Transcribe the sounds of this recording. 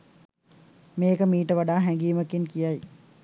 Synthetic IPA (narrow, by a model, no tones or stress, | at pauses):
meːkəmiːʈəʋaɖaːɦɛŋɡiːməkeŋkijaj